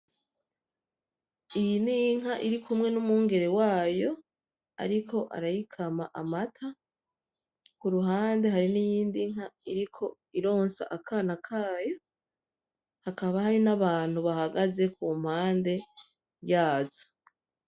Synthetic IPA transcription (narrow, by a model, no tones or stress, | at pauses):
ijindiŋhaʔiɾikʰumŋe̞numuːŋɡe̞ɾe̞waːjo̞ | a̰ɾikʰo̞ʔa̰ɾajikʰamaʔamatʰa | kuɾuɦaːnde̞ɦaɾinijiːndiŋ̥haiɾikʰo̞ | iɾo̞ːnsa̰ʔakʰanakʰaːjo̞ | hakaβahaɾinaβaːn̥huβahaɡaze̞kʰuːm̥haːnde̞ | βjaːzo̥